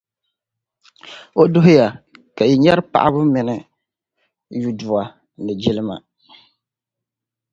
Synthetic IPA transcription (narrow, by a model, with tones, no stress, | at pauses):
o˦dʊ˦ɦʊ˦ja˨ka˨i˨ɲɛ˦ɾɨ˦pa̰˨ʔa˦bʊ˦mɨ˨nɨ˦ | ju˦dʊ˨a˨ | nɨ˨d͡ʒɪ˦lɨ˦ma̰˨